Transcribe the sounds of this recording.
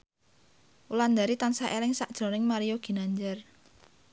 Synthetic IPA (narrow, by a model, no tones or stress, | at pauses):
uland̪aɾit̪ansaʔelɪŋsaʔd̥ʒ̥o̤nɪŋmaɾijoɡ̥i̤naɲd͡ʒər